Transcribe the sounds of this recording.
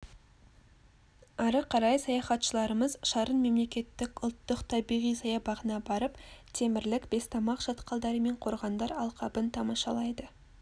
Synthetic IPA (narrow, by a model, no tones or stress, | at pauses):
ɑɾəqʰɑɾɑjsɑjɑχɑt̪ʃəlˠɑɾəməzʃɑɾənme̞mle̞kʲe̞t̪ːɪkʊlˠt̪ːʊqt̪ʰɑbijʁijsɑjɑbɑʁənɑbɑɾəpt̪ʰe̞mɪɾlɪkbe̞st̪ʰɑmɑqʒ̥ɑt̪qɑlˠd̪ɑɾəme̞ɴqʰo̞ɾʁɑnd̪ɑɾɑlˠqɑbənt̪ʰɑmɑʃɑlˠɑjd̪ə